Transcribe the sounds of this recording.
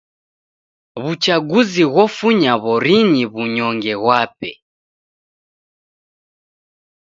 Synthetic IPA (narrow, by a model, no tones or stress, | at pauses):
βut͡ʃaɡuziɣwɔfuɲaβɔɾiɲiβuɲɔŋɡɛɣwapɛ̰